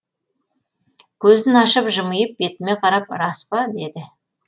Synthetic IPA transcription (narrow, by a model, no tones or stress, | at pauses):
kʲʰɵzd̪ɪnɑʃəpʒəməjəp̚be̞t̪ɪme̞qʰɑɾɑp̚ɾɑspɑd̪e̞d̪ɪ